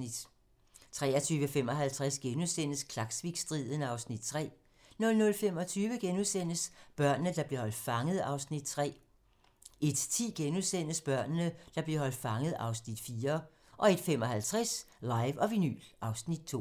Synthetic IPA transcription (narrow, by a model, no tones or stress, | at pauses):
id̥ | t͡sʰʁɛ̰ːɐt͡sʰyːʋəfem̰ɒ̽ɦælt͡sʰʁasɡ̥enusen̰əskʰlɑ̈ɡ̥sʋiɡ̥sd̥ʁiðˠənəɑ̈ʊsnid̥̚t͡sʰʁɛ̰ː | nɔ̽lnɔ̽lfem̰ɒ̽t͡sʰyːʋəɡ̥enuðˠsen̰əsb̥ɶɐ̰nnəd̥ɑ̈b̥le̝ɐhɒ̽l̰d̥fɑ̈ŋəð̩ˠɑ̈ʊsnid̥̚t͡sʰʁɛ̰ː | e̝d̥t͡sʰḭːɡ̥enuðˠsen̰əsb̥ɶɐ̰nənəd̥ɑ̈b̥leɦɒ̽l̰d̥fɑ̈ŋəð̩ˠɑ̈ʊsnid̥fiːɐ | ʔɒ̽e̝d̥fem̰ɒ̽ɦælt͡sʰʁɛslɑ̈ɪʋɒ̽ʋiny̰lʔɑ̈ʊsnid̥̚t͡sʰo̰ː